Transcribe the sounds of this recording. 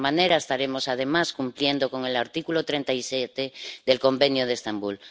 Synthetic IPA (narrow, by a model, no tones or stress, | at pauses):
maneɾaest̪aɾemo̞sað̞e̞maskumplje̞nd̪oko̞ŋe̞laɾt̪ikulot̪ɾent̪aisjet̪eðelko̞mbenjoð̞est̪ambul